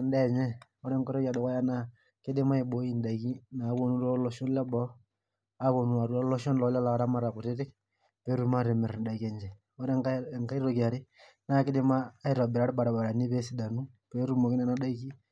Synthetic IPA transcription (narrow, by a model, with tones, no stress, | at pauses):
n˦dɛ˦˨ɲɛ˦ | ɔ˦ɾɛ˦ŋkɔ˦ɾɔ˦ka˨dɔ˨kɔ˦ja˦na˦ | kɪ˦dɪ˦ma˦i˨ɓo˨˦i˦n˨da˨i˨ki˦na˨˦ko˦nu˦ɾɔ˦lɔ˦ʃɔ˦n˦lɛ˦bɔ˦ | a˦ko˨nu˨a˨ɾuɔ˦lɔ˦ʃɔ˦nlɔ˨˦la˦la˨ɾa˦ma˦ɾa˨kʊ˨tɪ˦tɪ˦k̚ | pe˨˦ɾu˦ma˦ɾɪ˨mɪ˨ɾn˨da˨i˨kɛ˨ɲd͡ʒɛ˨ | ɔ˦ɾɛ˦ŋka˦i˦ɾo˨ki˨a˨ɾɪ˦ | na˦kɪ˦dɪ˦maː˦i˨ɾɔ˨bɪ˨ɾa˦ɾba˨ɾa˨ba˨ɾa˨ni˦pe˦si˨˦da˨nu˦pe˨˦ɾu˨mo˨kɪ˦nɛ˦na˨da˦i˦ki˦